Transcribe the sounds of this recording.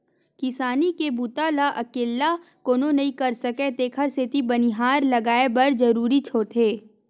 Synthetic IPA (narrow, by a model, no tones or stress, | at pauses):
kɪsaːnikebut̪alaʔɐkeːlːakoːnonɐĩkɐɾsɐket̪eːkʰəɾset̪ibɐniɦaːɾlɐɡaːebɐɾd͡ʒɐɾuːɾit͡ʃʰoːt̪ʰɦeː